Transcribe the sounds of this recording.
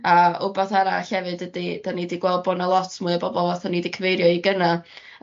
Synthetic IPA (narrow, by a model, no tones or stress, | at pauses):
aʊbaθaɾa̰ɬɛvɨdədid̥anidiɡwɛlˠd̚bɔnalˠɔtʰmuɨəbɔbɔlˠvaθanidikʰəvejɾjɔiɡəna